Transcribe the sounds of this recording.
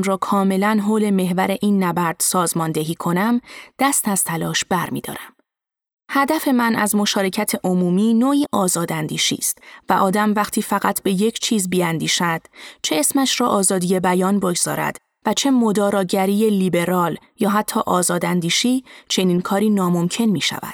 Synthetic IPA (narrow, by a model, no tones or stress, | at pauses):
mɾɒːkʰɒːme̞lænɦoːle̞me̞ɦvæɾe̞ʔiːnːæbæɾd̪̥sɒːzmɒːnd̪e̞ɦiːkʰo̞næmd̪̥æst̪æz̥t̪ʰælɒːʃb̥æɾmḭd̪̥ɒ̰ːɾæm | hæd̪æfe̞mænʔæ̰zmo̞ʃɒːɾe̞cʰæt̪ʰeʔomuːmiːnoːiːʔɒːzɒːd̪ænd̪iːʃḭːst̪væʔɒːd̪æmvæxt̪ʰiːfæɣæt̪ʰbe̞je̞cʰt͡ʃʰiːzbiænd̪iːʃæd̪̥t͡ʃʰe̞esmæʃɾɒːʔɒːzɒːd̪ije̞bæjɒːnboɡz̥ɒ̰ːɾæ̰d̪̥ | væt͡ʃʰe̞mo̞d̪ɒːɾɒːɟæɾiːje̞liːbe̞ɾɒːljɒːɦæt̪ʰːɒːʔɒːzɒːd̪ænd̪iːʃiːt͡ʃʰe̞niːnkʰɒːɾiːnɒːmo̞mcʰe̞nmiːʃæ̰væ̰d̪̥